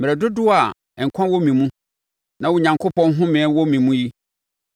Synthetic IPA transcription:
mɪ˨ɾɛ˨dʊ˦dʊ˦a˨ | ɛ̃˨ŋ̩˨kʷʰã˦wɔ˦mĩ˨mũ˦ | nã˨wʊ˨˦˨ɲã˨ŋkʰo˦pɔ̃˦n˦ɦʊ̃˦mɪ̃˨˦wɔ˦mĩ˨mũ˦ji˦

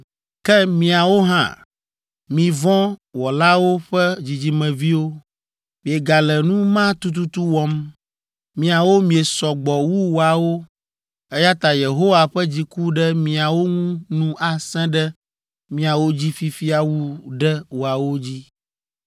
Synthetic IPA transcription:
kɛ˦mĩ˨a˨wo˦ɦã̰˦˨ | mĩ˨vɔ̃˦wɔ˨la˦wo˦ɸɛ˦d͡ʑi˨d͡ʑi˨mɛ̃˨vi˦wo˦ | mĩ˨e˨ɡa˨lɛ˨nũ˦mã˦t̪u˦t̪̬u˦t̪u˦wɔ˦m | mĩ˨a˨wo˦mĩ˨e˨sɔ˨ɡ͡bɔ˨wu˦wo˨a˨wo˦ | ɛ˦ja˦t̪a˨je˨ɦo˦wa˨ɸɛ˦d͡ʑi˨ku˦ɖɛ˦mĩ˨a˨wo˦ŋũ˦nũ˦a˨sɛ̃˦ɖɛ˦ | mĩ˦a˨wo˦d͡ʑi˦fi˦fi˦a˨wu˦ɖɛ˦wo˨a˨wo˦d͡ʑi˦

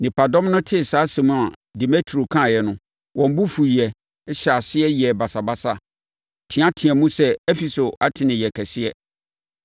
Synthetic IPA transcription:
nɪ̃˨pʰa˨dɔ̃˦mnʊ̃˦tʰɪ˦˨saː˨˦sɛ̃˨mũ˦a˨di˨mɛ˦tʰo˨kʰã˦˨jɛ˨nʊ̃˦ | wʔɔ̃˨m˦bu˦fu˨ɛ˨˦ | ɕa˨sɪ˦ɛ˦jɛ˨ba˨sa˨ba˦sa˦˨ | tʰɪ̃˨˦ã˦tʰĩ˨ɛ̃˨mũ˦sɛ˦ɛ˦fi˨so˨ʔa˨˦tʰɪ̃˨nɪ̃˨jɛ˨kʰɛ˨sɪ˦ɛ˦

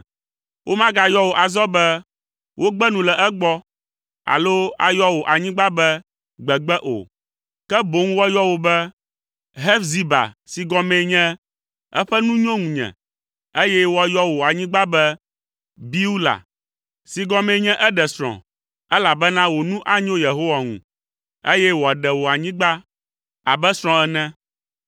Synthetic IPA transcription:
wʔo˦mã˦ɡa˨jɔ˦wo˨ʔa˨zɔ˦bɛ˦ | wʔo˦ɡ͡bɛ˦nũ˨lɛ˨ʔɛ˦ɡ͡bɔ˦ | a̰˨lo˦a̰˨jɔ˦wo˨ʔa˨ɲĩ˦ɡ͡ba˦bɛ˦ | ɡ͡bɛ˨ɡ͡bɛ˦ʔo̰˨ | kɛ˦bo˨˦ŋũ˦wɔ˦jɔ˦wo˨bɛ˦ | ɦɛ˦fzi˦ba̰˨si˨ɡɔ̃˦mɛ̃˨˦ɲɛ̃˦ | ɛ̰˦ɸɛ˦nũ˦ɲɔ̃˦ŋũ˨ɲɛ̰̃˨ | e˦jɛ˦wo˦a˨˦jɔ˦wo˨a˨ɲĩ˦ɡ͡ba˦bɛ˦ | bi˦wu˦la̰˨ | si˨ɡɔ̃˦mɛ̃˨˦ɲɛ̃˦ʔɛ˦ɖɛ˨sɾ̃ɔ̰̃˨ | ɛ˦la˨bɛ˦nã˦wo˨nũ˦ʔa˦ɲõ˦je˨ɦo˦wa˨ŋṵ̃˨ | e˦jɛ˦wo˨a˨ɖɛ˨wo˨a˨ɲĩ˦ɡ͡ba˦ | a˨bɛ˦sɾ̃ɔ̃˦ɛ˦nɛ̃˦

